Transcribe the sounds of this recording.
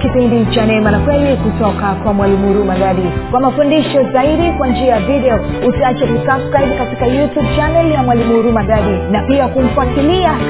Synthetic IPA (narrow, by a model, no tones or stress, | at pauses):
kipindit͡ʃanɛmanakwɛlikutɔkakwamwalimuhuɾumaɡaɗikwamafundiʃɔzaiɗikwand͡ʒiajaviɗɛɔ | usiat͡ʃɛkusafskajɓ̚katikajutjub̚t͡ʃanɛljamwalimuhuɾumaɡaɗinapiakum̩fuatilia